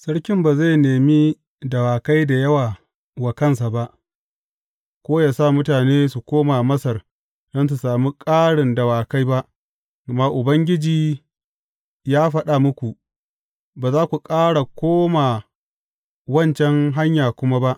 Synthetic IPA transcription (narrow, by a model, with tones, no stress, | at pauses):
sɐ˦ɽkʲɪ˦mbaː˨za˦˨jneː˨mi˦ | dɐ˨waː˨ka˦jda˨jɐ˦waː˨ | wa˨kɐ˦ns̬a˨ba˦ʔ | kʷoː˦jaː˨sa˦˨mʊ˦taː˨neː˦su˨kʷoː˦ma˨mɐ˦sɐ˨r | dɐ˦ns̬u˨saː˨mi˦kʼaː˦ɽɪ˨ndɐ˨waː˨ka˦jba˦ʔ | maː˨ʔʊ˨bɐ˦ŋɡʲɪ˦d͡ʒiː˨ | jaː˦ɸɐ˦ɗa˨mʊ˦kʷu˨ʔ | baː˨zaː˦kʷu˨kʼaː˦ɽa˨kʷoː˦ma˨ | wɐ˦˨nt͡ʃɛ˦ŋɦa˦ɲjaː˨kʷʊ˦ma˦ba˦ʔ